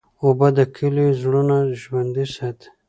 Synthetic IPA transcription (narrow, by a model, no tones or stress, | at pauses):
obad̪akʰilizɽunaʒwand̪isat̪